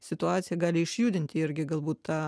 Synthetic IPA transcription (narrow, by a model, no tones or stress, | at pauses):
sʲɪt̪ʊɑːt̪sʲɪjɛɡɑːlʲɪɪʃʲjuːd̪ʲɪnʲt̪ʲɪɪɾʲɡʲɪɡɐlˠbuːt̪t̪ɑː